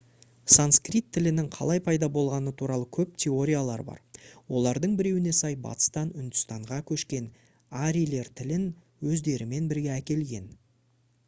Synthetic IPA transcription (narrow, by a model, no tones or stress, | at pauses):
sanskrit̪ʰːɪlɪnɪŋqʰɑ̰lˠɑjpʰɑjd̪ɑbo̞lˠʁɑnət̪ʰuɾɑlˠəkʲʰɵp̚t̪ʲʰe̞o̞ɾʲijalˠɑ̰ɾbɑ̰ɾwo̞lˠɑɾd̪əɴbɪɾe̞wɪne̞sɑjbɑ̰t̪ə̥st̪ɑnʏnd̪ʏst̪ɑɴʁɑkʲʰɵʃkʲe̞n | aɾijle̞ɾt̪ʰɪlɪn | wɵzd̪e̞ɾɪme̞nbɪɾɡʲeækʲe̞lɡʲe̞̰n